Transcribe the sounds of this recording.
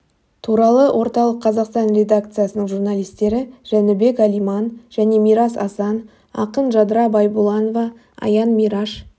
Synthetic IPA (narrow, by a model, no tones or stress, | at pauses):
t̪ʰuɾɑlˠəwʔo̞ɾt̪ɑlˠəqːʰɑzɑqst̪ɑnrʲe̞d̪ak̚t̪sɨjasənəɴʒurnɑlʲˠijst̪e̞ɾɪʒ̥ænɪbe̞kælijmɑnʒ̥æne̞mijɾɑsɑ̰sɑn | ɑ̰qənʒɑd̪ɾɑbɑjbulˠɑnovɑ | ɑ̰jɑnmiɾɑʃ